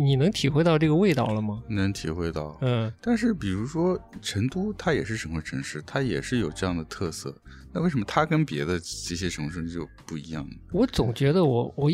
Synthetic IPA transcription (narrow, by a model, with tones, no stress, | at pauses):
ni˨˩nɤ˧˥ŋt̪ʰi˨˩xwe˥˧ɪt̪ɑ˥˧ʊʈ͡ʂɤ˥˩ɡə˩we˥˧ɪt̪ɑ˥˩ʊlə˩mɐ˩˨nɤ˧˥ŋt̪ʰḭ˨˩xwe˥ɪt̪ɑ˥˩ʊ˥˩t̪a˥˧nʂɻ̩˥˩pi˨˩ɻu˧˥ʂwɔ˥ʈ͡ʂʰə˧˥ŋt̪u˥t̪ʰa˥jɛ˨˩ʂɻ̩˥˩ʂə˧˥nxə˥˩ʈ͡ʂʰə˧˥nʂɻ̩˥˩t̪ʰa˥jɛ̰˨˩ʂɻ̩˥˩jo˨˩ʊʈ͡ʂɤ˥˧jɑ˥˩ŋd̪ə˩t̪ʰɤ˥˧sɤ̰˥˩ | na˥˧we˥˩ɪʂə˧˥mə˧t̪ʰa˥kə˥npjɛ˧˥d̪ə˧ʈ͡ʂɤ˥˩ɕ̬jɛ˥ʈ͡ʂʰɤ˧˥ŋʂɻ̩˥˧t͡ɕjo˥˧ʊpu˥˩i˧˥jɑ̰˥˩ŋə˩wɔ˧˥t͡sʊ˨˩ŋt͡ɕɥɛ˧˥d̪ə˧wɔ˧˥wɔ˨˩